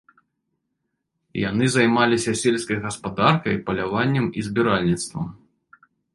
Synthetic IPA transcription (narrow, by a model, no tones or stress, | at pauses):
ja̰nɨzajmalʲisʲɐsʲelʲskɐjɣɐspad̪arkɐjpɐlʲavanʲːɛmizbʲiɾalʲnʲit̪st̪vɐ̰m